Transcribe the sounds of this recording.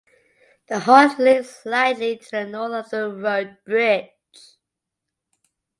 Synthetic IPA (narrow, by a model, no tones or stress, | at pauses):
ðəhɔslɪslaɪditʰəənɔləvðəɹəʊd̚b̥ɹɪd | t͡ʃ